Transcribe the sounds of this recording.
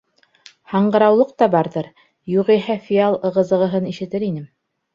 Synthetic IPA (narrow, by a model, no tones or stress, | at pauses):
hɑɴɢɤ̆ɾɑwlˠɤq̚t̪ɑbɑɾðɤɾ | juʁiɦæfʲialˠɤ̆ʁɤ̆zɤ̆ʁɤ̆ɦɤniʃɘ̆t̪ɘɾinɘm